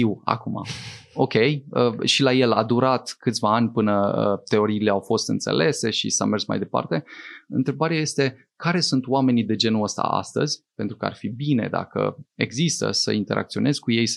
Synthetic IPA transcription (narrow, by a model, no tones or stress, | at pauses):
iwa̰kuma̰o̞kʲe̞jəʃilaje̞lad̪uɾat̪kɨt̪sʲvaanʲpɨnəət̪e̞o̞ɾiːle̞awfo̞st̪ɨnt̪se̞̰le̞se̞ʃḭsa̰me̞rsma̰jd̪e̞pa̰rt̪e̞ɨ̰nt̪ɾe̞baɾeaje̞st̪e̞ | kaɾe̞sunt̪wame̞nid̪e̞d͡ʒe̞nuəst̪a̰a̰st̪ə̰zʲpe̞nt̪ɾukəa̰rfibine̞̰d̪a̰kə̰e̞ɡzist̪ə̰sə̰int̪e̞ɾʔa̰k̚t̪sio̞ne̞zʲkuje̞j